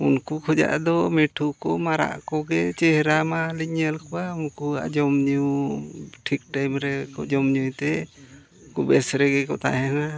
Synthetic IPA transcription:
unkukʰɔd͡ʒa̰ʔd̪ɔmɛʈʰukɔmaɾa̰ʔkɔɡɛt͡ʃɛɦɛɾamaliɲɛlkɔwaunkua̰ʔd͡ʒɔmɲu | ʈʰik̚ʈajmɾɛkɔd͡ʒɔmɲujt̪ɛ | kubɛsɾɛɡɛkɔt̪ʰa̰ɦɛna

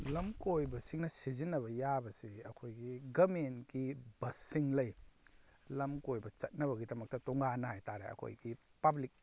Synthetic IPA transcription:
lɐmkojbɐsiŋnɐsizinːɐβɐjabɐsiɐkʰojɡiɡɐmenkibɐsiŋlɐj | lɐmkojbɐt͡ʃɐt̚nɐβɐɡidɐmɐk̚tɐtɔŋɡanɐhajtaɾḛɐ̰kʰo̰jɡipɐblik̚

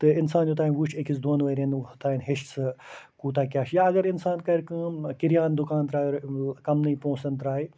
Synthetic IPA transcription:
t̪ɨɪnsaːnjut̪aːinʋuʃʰekisd̪oːnʋɐɾent̪aːinɦeʃsɨkuːt̪aːkʲjaːʃjaːɐɡɐɾɪnsaːnkɐɾʲkɨ̃ːkiɾijaːnd̪ʊkaːnt̪ɾaːjoɾkɐmnɨipõːsɐnt̪ɾaːi

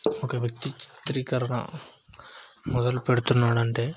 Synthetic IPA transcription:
oːkeːʋjɐk̚t̪it͡ʃɪ̥t̪ːɾikːɐɾɐɽã̰ | mɔðɐlpeɽɯt̪ːɯnːaːɽɐɳɖeː

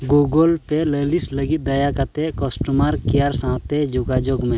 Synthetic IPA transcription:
ɡoɡolpelelisləɡit̪̚d̪əjakət̪ekɔsʈəmaɾkijaɾsãt̪ed͡ʒʊɡad͡ʒoɡmẽ

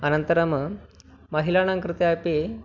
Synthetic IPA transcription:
ənənt̪əɾamə | məɦilañãŋkɾɨt̪jape

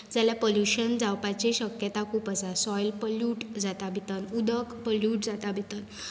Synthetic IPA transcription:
d͡zaljapoljuɕənd͡zawpat͡ɕeɕəkjət̪akʰuːpəsasɔjlpəluːʈd͡zat̪abʱit̪ənud̪əkpəljuːʈd͡zat̪abʱit̪ən

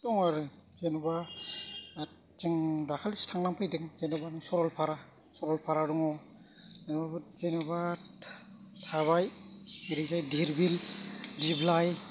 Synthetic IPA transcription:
tɔŋaɾɯzenuba | t͡ʃɯŋdakʰalstʰaŋnaŋpʰajdɯŋzenubanɯsɔɾɔlpʰaɾa | sɔɾɔlpʰaɾaɾuŋɔ | zenbabɯzenuba | tʰaβajiɾizajdiɾbildiblaj

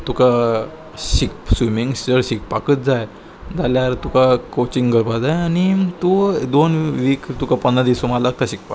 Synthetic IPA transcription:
t̪ukʰa | ɕik̚swimiŋɡsd͡zəɾɕik̚pakət̪̚d͡zaj | d͡zaljaɾt̪ukʰakot͡ɕiŋɡɡəɾbad͡zajañit̪ud̪onʋikt̪ukʰapənãd̪isumalaɡ̚t̪aɕik̚pa

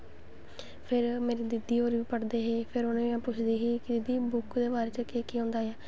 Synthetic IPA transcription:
pʰɪɾmeːɾiːd̪ɪd̪iːɦoːɾʋiːpəʈd̪eːɦeːpʰɪɾʊnẽãːpʊt͡ʃʰd̪eːɦiːkɪd͡ʒɪd̪iːbʊkd̪eːbaːɾeːt͡ʃəkeːkiːɦõːnd̪aːaː

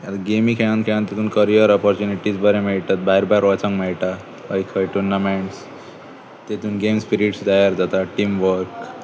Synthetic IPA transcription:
jat̪aɡemikʰeɭ̃ãnkʰeɭ̃ãnt̪et̪uːnkəɾijəɾɔpɔɾt͡ɕuniʈid͡zbəɾɛ̃mɛɭt̪at̪̚baɦiɾbʱaiɾʋɔt͡sãŋɡmɛɭʈ̪a | ajkʰəjʈunːamɛɳs | t̪et̪uːnɡemspiɾiʈsd̪ajəɾd͡zat̪aʈiːmʋəɾk

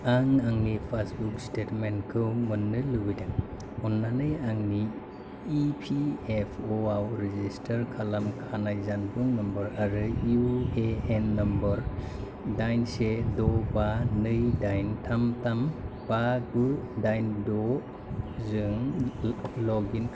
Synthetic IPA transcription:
aŋaŋnipʰasbuk̚stetmenkʰɯwmɯnːɯlɯɡɯjdaŋ | ɔnːanɯjaŋniː | pʰiepʰoawɾezistʰɐɾkʰalamkʰanajzanbɯŋnɐmbɯɾaɾɯjueenːɐmbɯɾ | dajnsedɔbanɯjdajntʰamtamb̥aɡɯdajndɔ | zɯŋ | lɔɡinkʰ

